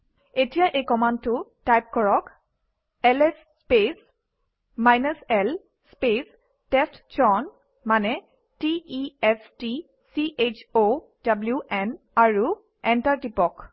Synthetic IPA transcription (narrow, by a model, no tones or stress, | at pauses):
etijaʔekɔmantʊtajp̚kɔɹɔk | ɛlɛsːpes | majnasɛl | spes | testt͡ʃɔn | manɛ | tiiɛsti | siʔet͡ʃʰo | d̥abljuʔɛn | aɹu | ɛntaɹtipɔk